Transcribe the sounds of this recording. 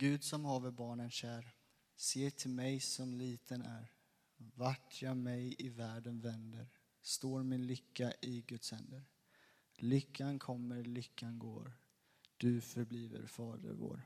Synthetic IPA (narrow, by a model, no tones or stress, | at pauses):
ɡ̥ʉ̟ːd̪sɔmhɑːvəɾbɑːɳənɕæːɾ | seːʈʰɪlmɛjsɔmliːt̪ʰənæ̰ɾ | vaʈʰjɑːɡmɛjɪvæːɖənvɛnd̪əɾ | st̪oːɾmɪnlʏkːaʔɪɡɵt̪shɛ̰nd̪əɾ | lʏkʰːankʰɔmːəɾlʏkːanɡo̰ːɾ | d̪̥ɵfœɾbliːvə̰ɾfɑːd̪ə̰ɾvo̰ːɾ